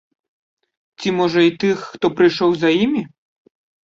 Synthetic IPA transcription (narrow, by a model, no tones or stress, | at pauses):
t͡sʲimɔʐɐit̪ɨxːt̪ɔpɾɨjʂɔwzɐjimʲi